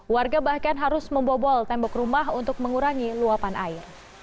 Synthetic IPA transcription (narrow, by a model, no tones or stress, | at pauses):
warɡabahkanɦaɾʊsməmbɔbɔlt̪ɛmbɔkrumaɦunt̪ʊk̚məŋuɾaŋiluapanʔaɪr